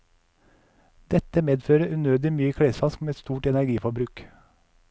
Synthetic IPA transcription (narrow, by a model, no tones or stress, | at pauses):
d̪̥ɛt̪əmeːd̪føːɾəʔʉːnøːd̪ɪmyːəkʰɽeːsfɑskmeːt̪st̪uːʈɛnæɾɡiːfɔbɾʉːk